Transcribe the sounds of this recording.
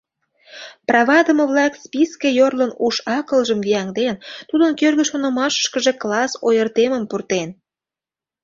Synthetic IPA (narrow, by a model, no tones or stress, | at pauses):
prɑβɑd̪əməβlɑkspiskejorlənuʃɑkəlʒəmvijɑŋd̪ent̪ud̪ənkørɣəʃonə̆mɑʃə̥ʃkəʒe̽klɑsojərt̪eməmpurt̪en